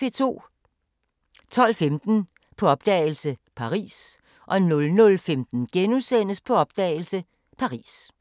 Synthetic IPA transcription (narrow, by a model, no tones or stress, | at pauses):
e̝t͡sʰo̝̰ː | t͡sʰɒ̽l̰femd̥n̩ | pʰɒ̽ɒ̽b̥̚d̥ɛ̰ːɪlsəpʰɑ̈ʁḭːs | ʔɒ̽nɔlnɔ̽lfemd̥n̩ɡ̥enusen̰əspʰɒ̽ɒ̽b̥̚d̥ɛ̰ːɪl̩sə | pʰɑ̈ʁḭːs